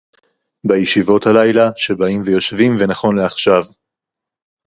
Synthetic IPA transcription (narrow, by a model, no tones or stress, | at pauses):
bajeʃivo̞thalajlaʃe̞baimvejo̞ʃvimvenaχo̞nleaχʃav